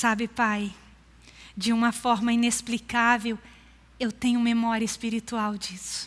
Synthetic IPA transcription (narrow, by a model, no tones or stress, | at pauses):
sabɪpaj | d͡ʒɪũmɐfɔɾmɐinesplikavew | ewt̪ẽɲʊmemɔɾiɐɪspiɾit̪uawd͡ʒisʊ̥